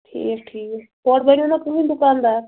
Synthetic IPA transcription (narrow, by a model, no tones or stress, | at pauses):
ʈʰḭːk̚ʈʰiːkpɔːʈ̚banonakəĩːd̪ʊkaːnd̪aː